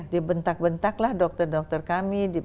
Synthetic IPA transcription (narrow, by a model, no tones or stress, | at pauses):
dibənt̪ak̚bənt̪aklahdɔk̚t̪ərdɔk̚t̪ərkamidi